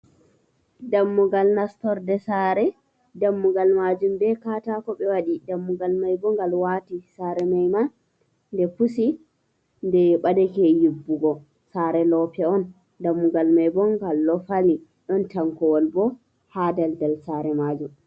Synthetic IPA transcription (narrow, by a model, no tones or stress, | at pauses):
damːuɡalnastɔɾdɛsaɾɛ | damːuɡalmad͡ʒumbɛkatakɔɓɛwaɗidamːuɡalmajbɔŋɡalwatisaɾɛmajma | ndɛpusi | ndɛɓadɛkɛjubːuɡɔ | saɾɛlɔpɛɔn | damːuɡalmajbɔŋɡalːɔfali | ɗɔntaŋkɔwɔlbɔ | hadaldɛlsaɾɛmad͡ʒum